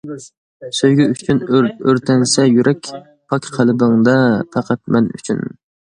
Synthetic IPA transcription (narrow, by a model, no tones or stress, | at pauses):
søjɡʲɛyt͡ʃʰynøɾt̪ʰɛnsɛjyɾɛkʲ | pʰɑkʲqʰælɪbɨŋd̪ɑpʰæqʰæt̪̚mɛny̰t͡ʃʰy̰n